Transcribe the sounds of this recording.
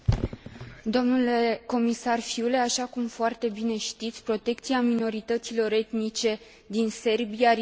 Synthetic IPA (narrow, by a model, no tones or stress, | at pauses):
d̪o̞mnule̞ko̞misarfiule̞aʃakumfoart̪e̞bine̞ʃt̪it̪sʲpɾo̞t̪e̞kt̪siamino̞ɾit̪ət̪silo̞ɾe̞t̪mit͡ʃe̞ | d̪inse̞rbia